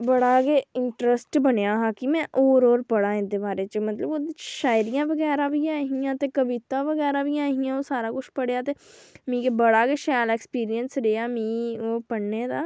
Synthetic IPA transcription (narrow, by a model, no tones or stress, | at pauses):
bəɽaːɡeːɪɳʈɾəsʈbənejaːɦãːkɪmɛ̃ːʔoːɾoːɾpəɽaːɪ̃nd̪eːbaːɾeːt͡ʃəmət̪ləboːd̪iʃaːjɾijãːʋəɡɛːɾãːʋiːaːɦijãːt̪eːkəbiːt̪ãːʋəɡɛːɾaːʋiːaːɦijãːoːsaːɾaːkʊʃpəɽeːaːt̪eːmĩːkeːbəɽaːɡeːʃɛːlɛːkspiːɾijənsɾeːaːmĩːoːpəɽneːd̪aː